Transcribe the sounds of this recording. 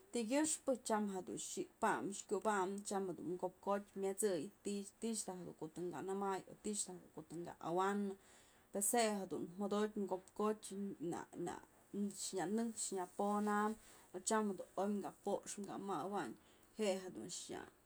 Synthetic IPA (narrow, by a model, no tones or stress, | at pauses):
t̪iɡʲɨʂpɨt͡ʃamɦed̪ṵnʃipamʂkʲubamt͡ʃamhed̪ṵnŋɡop̚kotʲmʲat͡sɨjt̪it̪iʂt̪aɦed̪ṵŋkot̪ɨŋɡanɨmajo̰t̪iʃt̪ahd̪ukot̪ɨŋɡa̰ʔa̰wanɨ | peshehed̪unmod̪otʲŋɡopkotʲna̰na̰ | ʂɲanɨkʂɲaponamot͡ʃamhed̪unojŋɡapoʔʂŋɡa̰mawaɲ | heʔɦed̪ṵnʂɲa̰